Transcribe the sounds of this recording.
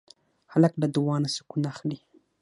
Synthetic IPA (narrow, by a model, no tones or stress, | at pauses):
halaklad̪uwɑnasə̥kunaxɽi